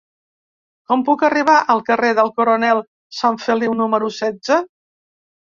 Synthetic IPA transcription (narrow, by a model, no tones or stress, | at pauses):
kɔmpukəriβ̞aʔəlˠkəreðəlˠkuɾonɛlˠ | saɱfəliwnuməɾusɛzə